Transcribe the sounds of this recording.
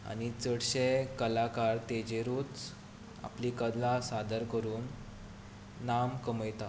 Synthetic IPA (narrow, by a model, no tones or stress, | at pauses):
a̰nit͡səɽɕekəlakaɾt̪ed͡ʑeɾuːt͡s | a̰plikəd̪lasad̪əɾkəɾuːn | amkəməjt̪a